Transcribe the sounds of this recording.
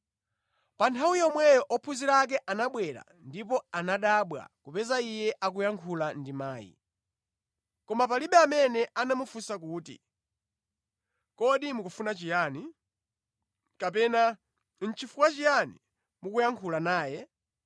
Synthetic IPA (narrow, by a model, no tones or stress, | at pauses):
pantʰawujɛɔmwɛjɔʔɔpʰuziɾak̬ɛʔanaɓwɛɾa̰ | ndip̬ɔanaɗaɓwa̰kupɛzaijɛʔakujaŋkʰulandimaːjḭ | kɔmapaliɓɛamɛnɛʔanamufusakuːtḭ | kɔɗimukufunat͡ʃijaːni | kapɛna | n̩t͡ʃʰifukwat͡ʃijanḭ | mukujaŋkʰulanaːjɛ